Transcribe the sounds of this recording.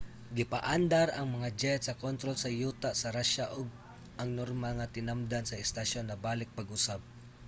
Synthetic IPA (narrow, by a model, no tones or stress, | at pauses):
ɡɪpaʔand̪aɾʔɐŋmɐŋad͡ʒɛt̪sɐkont̪ɾolsɐjuːt̪asɐɾaʃaʔoɡ̚ | ʔɐŋnoɾmaŋɐt̪ɪnamd̪ansɐɛst̪aʃo̞nːɐbaːlɪk̚pɐɡʊsab̚